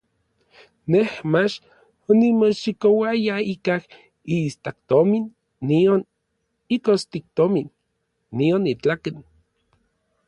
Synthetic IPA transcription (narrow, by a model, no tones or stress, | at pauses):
nehmat͡ʃ | onimoʃikowajaikah | ist̪ak̚t̪ominː | ion | ikost̪ik̚t̪ominː | ionit͡ɬakin